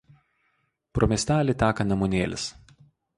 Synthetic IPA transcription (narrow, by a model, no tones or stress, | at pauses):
pɾomʲɛːsʲt̪ʲæːlʲɪt̪ʲæːkɐnɐmunʲeːlʲɪ̰s